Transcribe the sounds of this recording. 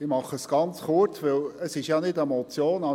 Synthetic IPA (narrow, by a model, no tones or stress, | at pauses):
ɪmɑχəsɡ̥ɑnt͡sχʊrt͡sʋɪləsɪʃjɑnɪdɛmɔt͡sjoːnɑ